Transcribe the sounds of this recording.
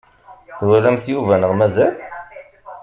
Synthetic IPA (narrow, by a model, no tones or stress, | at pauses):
θwælæmθjuvænəʁmæzæl